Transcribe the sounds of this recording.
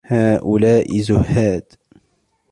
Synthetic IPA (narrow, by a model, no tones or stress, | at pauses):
haːʔulaːʔizʊhhaːd̪̥